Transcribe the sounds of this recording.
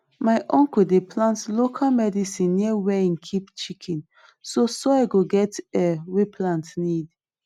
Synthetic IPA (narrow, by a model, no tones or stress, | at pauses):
maɪʔɔ̃ŋkudepʰlãntlokʰalmɛdisĩnːiəwɛĩnkʰipt͡ʃikʰĩn | sosoaɪɡoɡɛtɛwepʰlãntnid